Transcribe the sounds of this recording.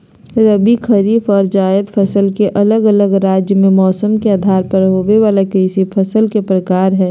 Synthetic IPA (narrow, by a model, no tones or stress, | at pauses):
ɾəbikʰəɾiːfɔːɾd͡ʒaːjəd̪pʰəsəlkeʔɐləɡələɡɾaːd͡ʒjəmẽmɔːsəmkeaːd̪ʱaːɾpɐɾɦoːʋeʋaːlakɾiːsipʰɐsəlkepɾəkaːɾɦɛ̃ː